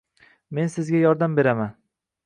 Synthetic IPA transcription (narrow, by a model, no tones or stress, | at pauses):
me̞nsɪzɡʲajɒɾd̪ambe̞ɾaman